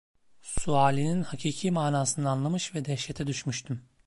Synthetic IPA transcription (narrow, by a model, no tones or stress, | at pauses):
suaːlʲininhacʰiːcʰiːmaːnaːsɯnaːnlˠamɯʃvɛd̪ɛʃɛt̪ʰɛd̪yʃmyʃt̪ʰym